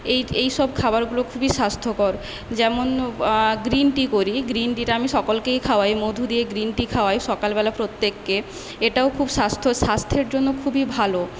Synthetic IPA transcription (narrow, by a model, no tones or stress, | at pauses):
ejejʃɔbkʰabaɾɡulokʰubiʃast̪ʰokɔɾ | d͡ʑɛmonɡɾinʈikoɾiɡɾinʈiʈaamiʃɔkolkejkʰaoajmod̪ʱud̪ieɡɾinʈikʰaoajʃɔkalbɛlapɾot̪ːekːe | eʈaokʰubʃast̪ʰoʃast̪ʰeɾd͡ʑonːokʰubibʱalo